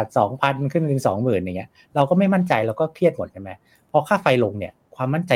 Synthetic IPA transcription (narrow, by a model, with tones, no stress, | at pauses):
a˨˩sɔː˩˦ŋpʰa˧nkʰɯ˥˩ŋkɯ˧ŋsɔ̰ː˩˦ŋmɯː˨˩nja˨˩ŋːi˦˥ɐ | ɾa˧wkɔː˥˩ma˥˩jma˥˩nt͡ɕa˧jlɛː˦˥wkɔː˥˩kʰi˥˩ət̪mo˨˩t̪̚t͡ɕʰa˥˩ma˦˥j | pʰɔ˧kʰaː˥˩fa˧jlo˧ŋni˥˩ɐkʰwaː˧mːa˥˩nt͡ɕa˧